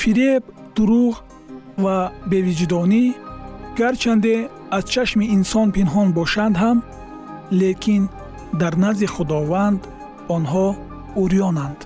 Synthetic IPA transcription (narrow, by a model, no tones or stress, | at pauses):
fiɾeb | d̪̥uɾuʁ | vabe̞vid͡ʒd̪ɔni | ɡ̥aɾt͡ʃʰand̪e | azt͡ʃʰaʃmiːnsɔnpinɦɔnbɔʃand̪ɦam | lekʰin | d̪aɾnaziχud̪ɔvand̪ | ɔnɦɔ | uɾijɔnand̪̥